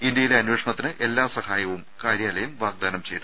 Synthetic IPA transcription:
ind̪jɐjileɐnweːʂɐɳɐt̪ːinɨʔe̞lːaːsɐhaːjɐʋumkaːɾjaːlɐjɐmʋaːɡ̚d̪aːnɐmt͡ɕe̞jt̪u

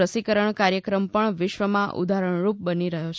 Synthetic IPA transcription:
əsikəɾəɳkaɾjəkɾəmpəɳʋɪʃʋəmãʔṵd̪ʱaɾəɳ̃ɾup̚bəniɾəɦot͡ʃʰ

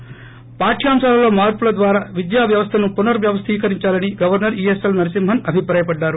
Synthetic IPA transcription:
paːʈʰːijaːmʃaːlɐlo̞ːmaːɾpulɐd̪ʋaːɾaːʋid̪jaːʋjɐʋɐst̪ʰɐnupunɐɾʋjɐʋɐst̪ʰiːkɐɾiɲt͡ʃaːlɐniɡɐʋɐɾnɐɾiːesɐlnɐɾisimbʱɐnɐbʱipɾaːjɐpɐɖːaːɾu

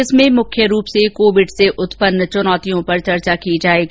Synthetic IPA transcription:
ɪsmẽmʊkʰjəɾuːpsekoːʋɪɖseʔʊt̪pənt͡ʃʊnɔːt̪ijõpɐɾt͡ʃɐɾt͡ʃakid͡ʒaːeːɡi

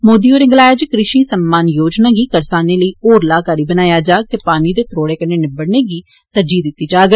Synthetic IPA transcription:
moːd̪iːoːɾɪŋɡlaːjaːd͡ʒɪkɾɪʃiːsəmːaːnjoːd͡ʒnaːɡiːkəɾsaːneːləiːoːɾlaːkaːɾiːbənaːjaːd͡ʒaːɡ̚t̪eːpaːniːd̪eːt̪ɾoːɽeːkəeːnɪbəɽneːɡiːt̪əɾd͡ʒiːd̪ɪt̪ːiːd͡ʒaːɡ

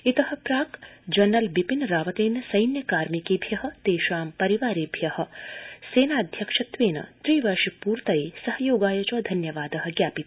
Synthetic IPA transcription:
it̪ɐɦɐ̆pɾaːkd͡ʒɐnːɐlbipinɾaːʋɐt̪eːnɐsɐjnjɐkaːɾmikeːbʱjɐɦɐ̆t̪eːʃaːmpɐɾiʋaːɾiːbʱjɐhɐ̆seːnaːɐd̪ʱjɐkʂɐt̪ʋeːnɐ̰t̪ɾiːʋɐɾʃɐpuːɾt̪ɐiːsɐhɐjoːɡaːjɐt͡ʃɐːd̪ʱɐnjɐʋaːd̪ɐɦɐ̆ɡjaːpit̪

